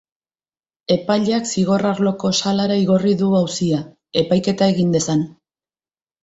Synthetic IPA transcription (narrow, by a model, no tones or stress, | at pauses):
e̞paʎaksiɣo̞raɾlo̞ko̞salaɾaiɣoriðuawsia | e̞pajke̞t̪ae̞ɣind̪e̞san